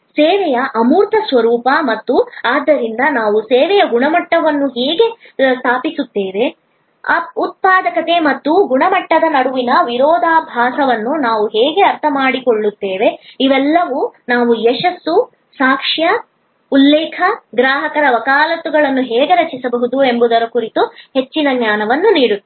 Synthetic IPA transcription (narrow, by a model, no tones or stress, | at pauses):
seːʋɛjɐʔɐmuːɾt̪ʰɐsʋɐɾuːpɐmɐt̪ːuaːd̪ːɐɾind̪ɐnaːʋuseːʋɛjɐɡuɳɐmɐʈːɐʋɐnːuɦeːɡe̞st̪ʰaːpisut̪ːeːʋe̞ | ɐut̪̚paːd̪ɐkɐt̪e̞mɐt̪ːuɡuɳɐmɐʈːɐd̪ɐnɐɽuʋinɐʋiɾɔːd̪ʱaːbʱaːsɐʋɐnːunaːʋuɦeːɡe̞ɐɾt̪ʰɐmaːɽikoɭːut̪ːeːʋe̞iʋɛlːɐʋunaːʋujɛʂɐsːu | saːkʂjɐ | ulːɛːkʰɐɡɾaːɦɐkɐɾɐʋɐkaːlɐt̪ːuɡɐɭɐnːuɦɛːɡe̞ɾɐt͡ʃisɐbɐɦud̪ue̞mbud̪ɐɾɐkuɾit̪uhet͡ʃːinɐɡɲaːnɐʋɐnːuniːɽu